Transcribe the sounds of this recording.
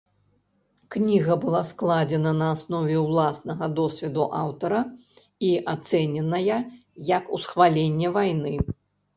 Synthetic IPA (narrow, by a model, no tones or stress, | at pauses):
knʲiɣɐbɨlˠasklˠad͡zʲɛnɐnɐːsnɔvʲɛwlˠasnɐɣɐd̪ɔsʲvʲɛd̪uʔawt̪ɐɾɐ | iʔat̪sɛnʲɛnɐjɐ | jɐkusxvalʲenʲːɛvajnɨ